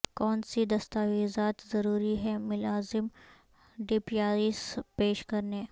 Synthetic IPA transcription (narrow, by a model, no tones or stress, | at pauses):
kɔːnsid̪ɐst̪aːʋiːzaːt̪zɐɾuːɾiɦɛmʊlaːzɪm | ɖɪpijaːɾispeːʃkɐɾneː